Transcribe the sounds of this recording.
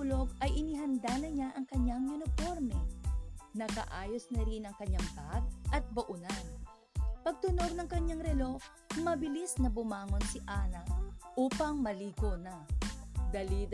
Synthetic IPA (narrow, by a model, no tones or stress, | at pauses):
ʊloɡ̚ʔɐjʔɪniɦɐnd̪anɐɲaʔɐŋkɐɲːaŋjʊnɪpo̞ɾmɛ | nɐkɐ̰ʔaːjosnɐɾɪnɐŋkɐɲːaŋb̪at̪̚ʔɐt̪̚bɐʔʊnan | pɐɡ̚t̪ʊno̞ɾnɐŋkɐɲːaŋɾɛlof | mɐbɪlisnɐbʊmaːŋo̞nsɪʔaːnɐʔuːpɐŋmɐliːɡonɐ | d̪ɐlid̪